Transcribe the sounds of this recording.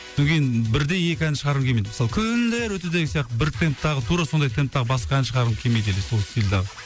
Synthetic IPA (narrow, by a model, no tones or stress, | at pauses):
eŋʲkʰʲe̞jinbɪɾd̪e̞je̞kʲɪænʃəʁɑɾəmkʲʰe̞mejd̪mɪsɑlˠəkʲʰʏnd̪eɾwɵt̪ed̪eɡʲɪsijɑq̚t̪əbɪɾt̪ʰe̞mp̚t̪ɑʁət̪ʰuɾɑso̞nd̪ɑjt̪ʰe̞mp̚t̪ɑʁəbɑsqɑænɪʃəʁɑɾəmkʲʰemejd̪eleso̞lˠst̪ilʲd̪ɑʁə